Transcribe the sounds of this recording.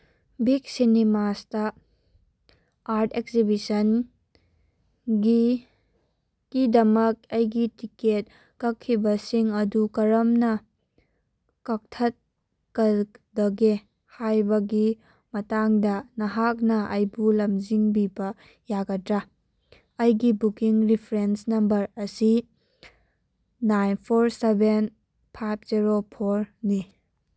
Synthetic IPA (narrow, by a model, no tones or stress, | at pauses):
bik̚sinemastɐ | aɾtʰekzibisɐn | ɡi | kidɐmɐk̚ɐjɡitiket̚ | kɐkʰːibɐsiŋɐdukɐɾɐmnɐ | kɐk̚tʰɐt̚ | kɐdɐɡe | hajbɐɡi | mɐtaŋdɐnɐɦak̚nɐʔɐjbulɐmziŋbibɐ | jaɡɐdɾa | ɐjɡibukiŋɾipʰɾensnɐmbɐɾɐsi | najnpʰoɾseben | pʰajp̚ʰziɾopʰoɾni